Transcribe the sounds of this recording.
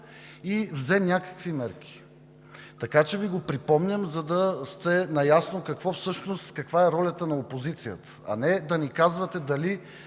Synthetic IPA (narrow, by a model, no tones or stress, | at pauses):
ivzɛnʲakə̥kvimɛɾk̟i̥ | t̪ɐkat͡ʃɛviɡopɾipɔmnʲəmzɐd̪ɐst̪ɛnɐjasnokɐkvɔfsɤʃnost̪kɐkvaɛɾɔlʲət̪ənɐopozit̪sijət̪ə̥ɐ̰nɛd̪ɐnikazvɐt̪ɛd̪ɐli